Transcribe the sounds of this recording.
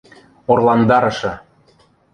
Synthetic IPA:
orlˠɑnd̪ɑɾɤ̆ʃɤ̆

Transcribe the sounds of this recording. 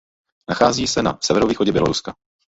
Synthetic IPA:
naxaːziːsɛna̰sɛvɛɾoviːxoɟɛbjɛ̰loɾuska

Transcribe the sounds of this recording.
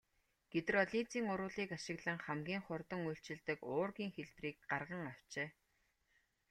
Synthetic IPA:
ɡ̥et̪rɔɮit͡siːŋʊɾʊːɮiːkaʃɪ̆ɣɮə̆ŋχæmɡʲiːŋχʊrt̪ə̆ŋujɬt͡ɕɪ̆ɮt̪ə̆kʊːrɣiːŋxeɮpriːk̚ɢarʁə̆ŋaw̥t͡ɕeː

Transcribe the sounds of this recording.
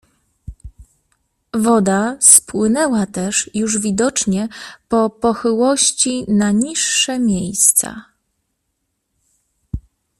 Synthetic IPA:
vɔd̪aspwɘnɛwat̪ɛʂjuʐvʲid̪ɔt͡ʂɲɛpɔpɔxɘwɔɕt͡ɕinaɲiʂːɛmʲjejst̪sa̰

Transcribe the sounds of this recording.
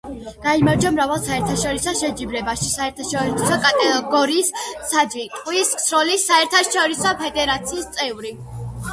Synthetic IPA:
ɡ̥aimaɾd͡ʒɔmɾavalˠsaɛɾt̪ʰaʃɔɾisɔʃɛd͡ʒibɾɛbaʃisaɛɾt̪ʰaʃɔɾsɔkʼat̪ʼɛɡɔɾiːsːad͡ʒ̪wit̪ʼqʼwisksɾɔlisːaɛɾt̪ʰaʃɔɾisɔpʰɛd̪ɛɾat̪sʰiːst̪sʼɛvɾi

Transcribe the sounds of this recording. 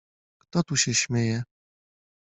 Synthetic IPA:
kt̪ɔt̪uɕɛɕmʲjejɛ

